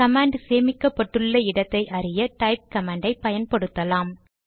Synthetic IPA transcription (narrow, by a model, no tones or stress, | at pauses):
kɐmaːɳɖseːmɪkːɐpːɐʈːɯɭːɐɪɽɐt̪ːɐɪʔɐɾɪjɐʈɐɪp̚kɐmaːɳɖɐɪpːɐjɐnpɐɽɯt̪ːɐlaːm